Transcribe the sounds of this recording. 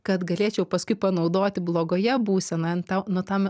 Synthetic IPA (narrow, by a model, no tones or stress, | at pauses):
kɐt̪ɡɐlʲeːt͡ʃʲɛʊpɐskʊɪpɐnɐʊd̪oːt̪ʲɪblˠoːɡoːjɛbuːsʲɛnɐnt̪ɐʊnʊt̪ɐm